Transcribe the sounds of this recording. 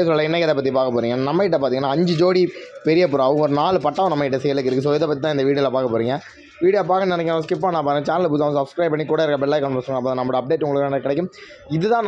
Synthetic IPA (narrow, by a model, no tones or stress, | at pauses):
sɔlːɐɪnːɐkɐðɐpɐt̪ːipaːkɐpːoːɾiːŋɡɐnɐmːɐɪʈːɐp̬aːɾt̪iːŋɡɐnːaːɐɲd͡ʒɯd͡ʒoːɽipɛɾɪjɐpːɯɾãɐʋɐ̃ɡɔɾɯnaːlɯpɐʈːaːʋɐ̃nɐmːɐkɪʈːɐsɛjɐlɯk̬ːɪɾɯkːɯs̬oːɪðɛpɐt̪ːit̪ãːɪnd̪ɐʋiːɽɪɐlɐpaːɾkɐpːoːɾiːŋɡɐ | ʋiːɽjɐp̬aːkɐnɛnɛkːskɪpːaːnãːpaːɾɯɡɐt͡ʃaːnɐlbuːt̪aːʋ̃sɐbskɾɐɪpɐɳːikuːɽɐɪɾɯkːɐbɛɽlaːɪkːɐɳpɐsɯŋɡɐpːoːðãnɐmːɐɽɐp̚ɖeːʈːʊŋɡɐɭɯkːɐnkːɪɽɛk̬ːɯm | ɪðɯt̪ãːn